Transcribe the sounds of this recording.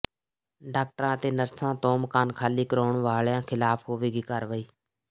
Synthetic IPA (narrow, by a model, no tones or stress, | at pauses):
ɖaːk̚ʈəɾãːət̪eːnəɾsãːt̪oːmkaːnkʰaːliːkəɾoːɳʋaːɭjãːkʰɪlaːpʰɦoːʋeːɡiːkəɾʋəiː